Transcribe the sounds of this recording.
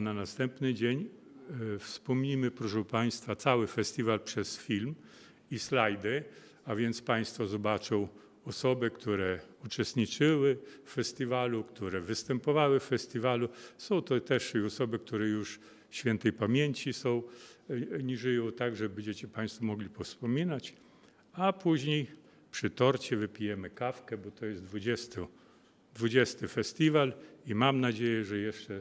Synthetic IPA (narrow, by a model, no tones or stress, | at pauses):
nanast̪ɛmpnɘd͡ʑeɲ | fspɔmɲimɘpɾɔʂɛwpaj̃st̪fat̪sawɘfɛsʲt̪ʲivalpʂɛsfʲilm | islajd̪ɘ | avʲjɛnt̪spaj̃st̪fɔzɔbat͡ʂɔ̃w̃ | ɔsɔbɘkt̪ʰuɾɛut͡ʂɛst̪ɲit͡ʂɘwɘffɛsʲt̪ʲivalukt̪uɾɛvɘst̪ɛmpɔvawɘffɛsʲt̪ʲivalusɔ̃w̃t̪ɔt̪ɛʂɔsɔbɘk̚t̪uɾɛjuʂ | ɕfʲɛnt̪ɛjpamʲjeɲt͡ɕisɔ̃w̃ | ɲiʐɘjɔ̃w̃t̪aɡʐɛbɛɲd͡ʑɛt͡ɕɛpaj̃st̪fɔmɔɡlʲipɔfspɔmʲinat͡ɕ | apuʑɲej | pʂɘt̪ɔɾt͡ɕɛvɘpʲijɛmɘkafkɛbɔt̪ɔjɛsd̪vud͡ʑɛst̪ɔ | d̪vud͡ʑɛst̪ɘfɛsʲt̪ʲivalimamnad͡ʑejɛʐɛjɛʂt͡ʂɛ